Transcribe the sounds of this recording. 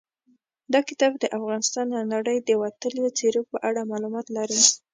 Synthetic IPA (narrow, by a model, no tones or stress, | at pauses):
d̪ɑkɪt̪ɑbd̪əʔafɣɑnɪst̪ɑnd̪anaɽəjd̪əwat̪əljot͡seɾok̚pəʔaɽamɑlumɑt̪laɾi